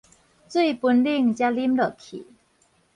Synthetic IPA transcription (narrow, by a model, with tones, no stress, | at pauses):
t͡swe˥˩jpu˧nli˥˧ŋt͡ɕja˧li˦˥mlə˨˩kʰḭ˨˩˦